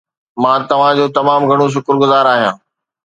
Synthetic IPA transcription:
mãːt̪ɐʋ̤ãd͡ʑoːt̪ɐmaːmɡʱɐɽ̃oʃ̬ʊkɾɡʊzaːɾaːɦijãː

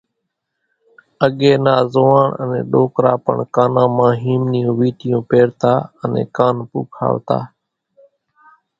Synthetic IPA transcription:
əɠeːnaːzoːaːɳənḛ̃ːɗoːkɾaːpə̰ɳkaːnãːmãːɦiːmnɪjũːʋiːʈɪjũːpeːɾt̪aːənḛ̃ːkaːnpṵːkʰa̰ːʋt̪a̰ː

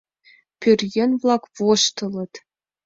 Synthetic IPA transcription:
pʲyrʲjĕnʲvlˠɑkvoʃt̪ɤ̆lˠɤ̆t̪

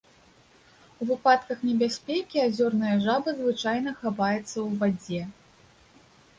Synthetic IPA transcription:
uvɨpat̪kɐxnʲɛbʲasʲpʲɛkʲiazʲɔrnɐjɐʐabɐzvɨt͡ʂajnɐxavajɛt̪sːɐwvad͡zʲɛ

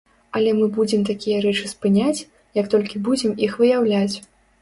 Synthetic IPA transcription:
ɐlʲɛmɨbud͡zʲɛmt̪akʲijɐɾɛt͡ʂɨspɨnʲat͡sʲ | jɐkt̪ɔlʲkʲibud͡zʲɛmixvɨjawlʲat͡sʲ

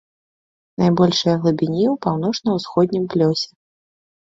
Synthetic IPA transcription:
najbɔlʲʂɨjɐɣlˠubʲinʲiwpawnɔt͡ʂnɐwsxɔd̪̚ʲnʲimplʲɔsʲɛ

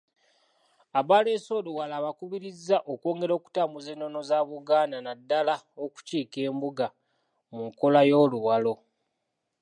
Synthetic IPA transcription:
aβale̞ːso̞ːluwalaːβakuβiɾizːaʔoko̞ːŋɡe̞ɾo̞ːku̥taːmuze̞ːnːo̞no̞zaːβuɡaːnanadːalaoku̥ciːke̞ːmbuɡa | muŋko̞lajo̞ːluwalo̞

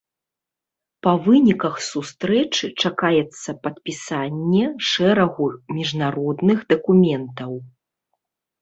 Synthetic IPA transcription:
pɐvɨnʲikɐxsust̪ɾɛt͡ʂɨt͡ʂakajɛt̪sːɐpɐt̪pʲisanʲːɛʂɛɾɐɣumʲiʐnaɾɔd̪nɨɣd̪ɐkumʲɛnt̪ɐw

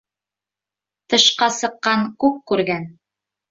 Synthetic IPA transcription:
t̪ɤ̆ʃqɑsɤ̆qːɑŋkʉkkʉɾɡæn

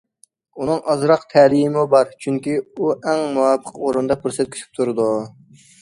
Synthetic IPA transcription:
unɨŋʔɑzɾɑqt̪ʰɛlijmɪbɑɾt͡ʃʰyŋkʲiuʔɛŋmuwɑpʰəqoɾund̪ɑpʰuɾsɛt̪kʰʲy̥ʃʰy̥p̚t̪ʰuɾɨd̪u

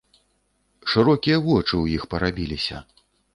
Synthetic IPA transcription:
ʂɨɾɔkʲijɐvɔt͡ʂɨwjixpɐɾabʲilʲisʲɐ̰

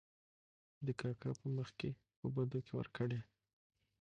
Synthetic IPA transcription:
d̪əkɑkʰɑpəməxke | pəbad̪okewə̰ɾkəɽe

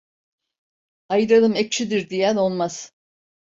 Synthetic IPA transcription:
ajɯɾalˠɯmek̚t͡ʃʰid̪iɾd̪ijæno̞lˠmaz̥

